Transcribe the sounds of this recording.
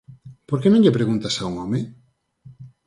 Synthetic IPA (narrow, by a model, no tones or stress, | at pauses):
poɾkenõŋʎepɾeɣunt̪asauŋɔme